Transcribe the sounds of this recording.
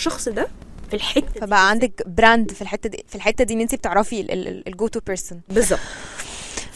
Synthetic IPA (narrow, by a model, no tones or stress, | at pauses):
ʃɑxsˤd̪æ | filħet̪ːfæbæʔæʕand̪ækbɾænd̪filħet̪ːæd̪ifilħet̪ːæd̪iːnːent̪ibet̪eʕɾˤɑfiḛelɡoːt̪upeɾsonbezˤːɑb̚t̪ˤ